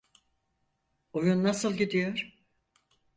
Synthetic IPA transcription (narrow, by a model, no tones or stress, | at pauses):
ujunːasɯlˠɟid̪ijoɾ